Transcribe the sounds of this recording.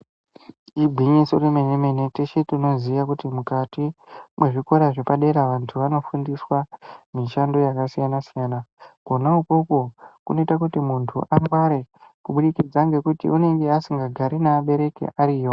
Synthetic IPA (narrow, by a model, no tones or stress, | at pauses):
ibʱiɲisoremenemeneteʃetino̞ziʋakutimukatimwe̞ʐiko̞ɾaʐepaɗe̞ɾaʋantʰuʋano̞fundiswamiʃandojakasijanasijaːnaɡ̥ʱo̞naukoko̞kuno̞itak̬utimuntʰuʔamɡwaɾe̞kuɓuɗikid͡zaŋɡe̞kutḭune̞ŋɡe̞asiŋɡaɡʱaɾinaːɓe̞ɾe̞kḛʔaɾiːjo